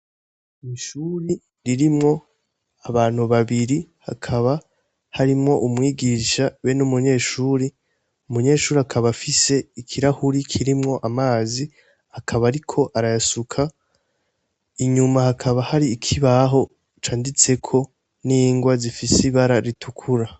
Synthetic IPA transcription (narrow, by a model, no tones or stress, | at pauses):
iʃuːɾi | ɾiɾimŋo̞ | aβaːn̥huβaβiɾiha̰kʰaβa | haɾimŋo̞ʔumŋiːɡiʃawenumuɲe̞ːʃuːɾi | umuɲe̞ːʃuːɾiakʰaβafise̞ikʰiɾahuɾikʰiɾimŋo̞ʔamaːzi | akʰaβaɾikʰo̞ʔaɾajasukʰa | iɲumahakʰaβahaɾiːkʰiβaɦo̞ | t͡ʃaːndit͡se̞kʰo̞ | niːŋɡwazifisiβaɾaɾitʰukʰuɾa